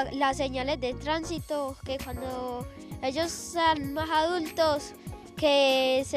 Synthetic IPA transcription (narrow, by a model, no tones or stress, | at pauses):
laseɲalesd̪et̪ɾansit̪okekwand̪o | e̞ʝosːeanmasaðult̪os | kese